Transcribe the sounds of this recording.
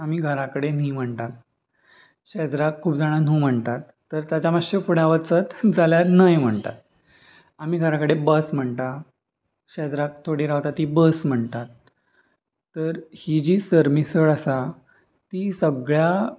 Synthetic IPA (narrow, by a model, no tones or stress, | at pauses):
amiːɡʱəɾakəɽenim̤əɳt̪at̪ | ɕɛd͡zɾakʰːuːpd͡zaɽ̃an̤ũːm̤əɳt̪at̪ːəɾt̪jat͡ɕamaɕəpuɽaʋət͡sət̪d͡zaljaɾnəjm̤əɳt̪a̰t̪̚ | am̤iːɡʱəɾakəɽebəsm̤əɳt̪a | ɕɛd͡zɾak̚t̪ʰoɽiɾaʋt̪at̪iːbəsm̤əɳt̪at̪ | əɾhid͡ʑiːsəɾmisəɭasa | t̪iːsəɡɭja